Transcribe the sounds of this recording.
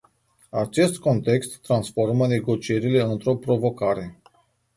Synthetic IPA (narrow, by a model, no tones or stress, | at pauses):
at͡ʃe̞st̪ko̞nt̪e̞kst̪ːɾansfo̞rməne̞ɡo̞t͡ʃie̞ɾile̞ɨnt̪ɾo̞pɾo̞vo̞kaɾe̞